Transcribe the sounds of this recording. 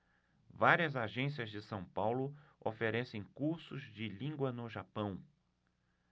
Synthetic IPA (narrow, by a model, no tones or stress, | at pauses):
vaɾiɐzaʒẽs̬iɐzd͡ʒɪsɐ̃w̃pawlʊo̰feɾɛsẽj̃kuɾsʊzd͡ʒɪlĩɡwɐnʊʒapɐ̃w̃